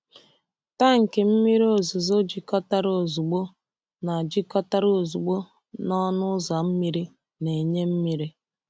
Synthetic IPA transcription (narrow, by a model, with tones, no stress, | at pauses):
ta˦ŋ̩˨ke˨m̩˦mi˦ɾi˦o˨zʊ˨zo˦d͡ʒi˦kɔ˦ta˦ɾo˨zu˨ɡ͡bo˦ | na˨d͡ʒi˦kɔ˦ta˦ɾo˨zu˨ɡ͡bo˦ | nɔ˦nʊ˦za˨m̩˦mi˦ɾi˦ | ne˨ɲe˦m̩˦mi˦ɾi˦